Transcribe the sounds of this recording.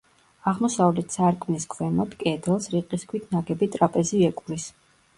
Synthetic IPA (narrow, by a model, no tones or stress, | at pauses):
aʁmɔsavlɛt̪ʰsaɾkʼmniskʰwɛmɔd̪kʼɛd̪ɛlˠsɾiqʼiskʰwit̪ʰnaɡɛbit̪ʼɾapʼɛziɛkʼuɾis